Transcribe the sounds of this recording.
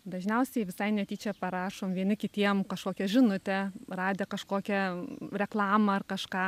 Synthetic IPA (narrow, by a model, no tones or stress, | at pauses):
d̪ɐʒʲnʲɛʊsʲɛɪʋʲɪsɐɪnʲɛt̪ʲiːt͡ʃʲɛpɐɾɑːʃoːmʋʲiɛnʲɪkʲɪt̪ʲiɛmkɐʃkoːkʲɛʒʲɪnʊt̪ʲɛrɑːd̪ʲɛːkɐʃkoːkʲɛɾʲɛklˠɑːmɐɐrkɐʃkɑː